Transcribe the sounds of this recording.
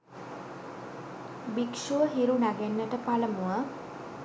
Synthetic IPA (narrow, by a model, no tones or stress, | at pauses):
bikʃuʋəɦiɾunaɡenːəʈəpaləmuə